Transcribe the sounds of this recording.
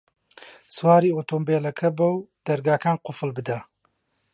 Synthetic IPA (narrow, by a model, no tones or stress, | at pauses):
swaːɾiːot̪ombeːlɐkʰɐbɐwd̪̥ɐɾɡaːkʰaːnqʊfɨlbɨd̪a